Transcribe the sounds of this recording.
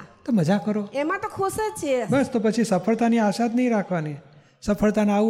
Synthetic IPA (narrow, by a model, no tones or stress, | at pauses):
t̪oməd͡ʒakəɾoemãt̪okʰoset͡ʃʰebəst̪opət͡ʃʰisəfʰəɭt̪aniaʃad̪nəɦĩɾakʰʋani | səfʰəɭt̪ana